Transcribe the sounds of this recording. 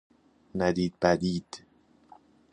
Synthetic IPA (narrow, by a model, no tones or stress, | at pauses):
næd̪iːd̪̚bæd̪iːd̪̥